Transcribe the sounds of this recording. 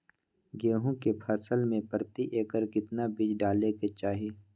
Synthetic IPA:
ɡeːɦõkepʰəsəlmẽpəɾt̪iʔeːkəɾkɪt̪nabɪd͡ʒɖaːleket͡ʃaːɦieː

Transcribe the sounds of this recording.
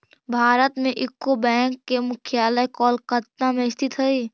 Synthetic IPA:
bʱaːɾət̪mẽʔɪkːobɛ̃ːŋkːemʊkʰjaːləjkɔːlkət̪namẽɪst̪ɪt̪ɦəi

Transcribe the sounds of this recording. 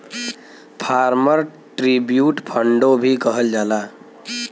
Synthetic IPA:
pʰaɾməɾ | ʈɾibjuʈpʰəɳɖobʱikəɦəld͡ʒala

